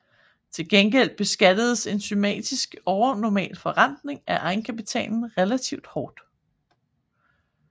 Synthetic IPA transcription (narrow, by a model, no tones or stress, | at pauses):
t͡sʰe̝lɡ̥enɡ̥el̰̥̚b̥e̝sɡ̥æd̥əð̞ˠse̝nsymɛ̰ːd̥isɡ̥ɒʊɐnɒmɛ̰ːlfɒ̽ʁan̰d̥ne̝ŋæʔɑ̈ɪn̩kʰæpit͡sʰɛ̰ːnn̩ʁɛlæt͡sʰiʊd̥hɒːd̥